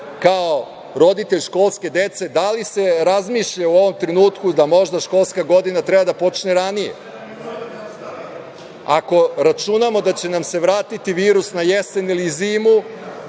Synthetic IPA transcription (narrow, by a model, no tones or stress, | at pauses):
kao | ɾo̞d̪it̪e̞ʎʃko̞ːlˠske̞d̪e̞t̪se̞d̪alise̞ɾazmiʃʎauo̞ʋo̞mt̪ɾenuːt̪kud̪amo̞ʒd̪aʃko̞lˠskaɡo̞d̪inat̪ɾebad̪apo̞t͡ʃneɾanijḛ | ako̞ɾat͡ʃunamo̞d̪at͡ɕe̞namse̞ʋɾaːt̪it̪iʋiːɾusnajeseniliziːmu